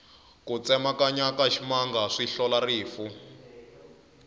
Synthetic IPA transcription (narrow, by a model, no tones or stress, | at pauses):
kut͡sɛmakaɲakaʃimaŋɡaʂiɬɔlariːfu